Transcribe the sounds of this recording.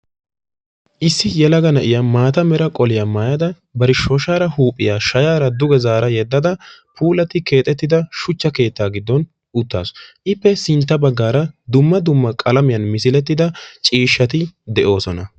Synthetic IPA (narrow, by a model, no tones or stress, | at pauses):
ʔɪsːɪjɛlɐɡɐnɐʔɪjamaːt̪ɐmɛɾɐkʼɔlɪjɐmaːjɐd̪ɐ | bɐɾɪʃɔːʃaːɾɐhuːpʼːɪjaːʃɐjaːɾɐd̪ʊɡɛzaːɾɐjɛd̪ːɐd̪ɐpʰuːlɐt̪ːɪke̞ːt̪ʼːɛt̪ːɪd̪ɐʃʊt͡ʃːɐke̞ːt̪ːaːɡɪd̪ːɔn | ʊt̪ːa̰ːsʔɪpːɛsɪnt̪ːɐbɐɡːaːɾɐd̪ʊmːɐd̪ʊmːɐkʼɐlɐmɪjɐnmɪsɪlɛt̪ːɪd̪ɐt͡ʃʼiːʃːɐt̪ɪd̪ɛʔo̞ːsɔnɐ